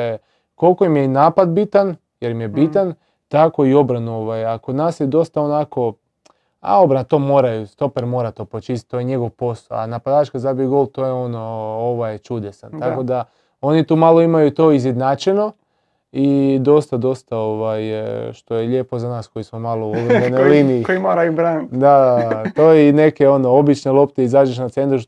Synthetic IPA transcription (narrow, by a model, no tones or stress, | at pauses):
ko̞lko̞imjeinaːpad̪bit̪an | jeɾimjebit̪an | t̪ako̞io̞bɾanuoʋajakod̪naːsjed̪o̞st̪aonako̞ | a̰o̞bɾanat̪o̞ːmoːɾajust̪o̞peɾmo̞ːɾat̪o̞ːpɾot͡ʃist̪t̪̚t̪o̞jeɲe̞ɡo̞ʋpo̞sa̰a̰napad̪aːt͡ʃkazabiɡolˠt̪o̞jeo̞no̞oʋajt͡ʃud̪esant̪ako̞d̪a | o̞nit̪uːmalˠo̞imajut̪o̞izjed̪naːt͡ʃeno̞ | id̪o̞st̪ad̪o̞st̪ao̞ʋajʃt̪o̞jeʎe̞ːpo̞zanaːsko̞jismo̞malouʋenaliniikoimoːɾajubɾaːnitd̪aat̪oːjeine̞ke̞o̞no̞o̞bit͡ʃne̞lˠo̞pt̪eizaːd͡ʒeʃ̬nat̪se̞nt̪ɾu